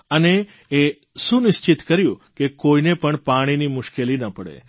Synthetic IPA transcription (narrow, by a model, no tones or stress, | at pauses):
əneː | ʃũnɪʃt͡ʃɪt̪kəɾjũkekoinepəɳpaɽ̃inimʊʃkelinəpəɽḛ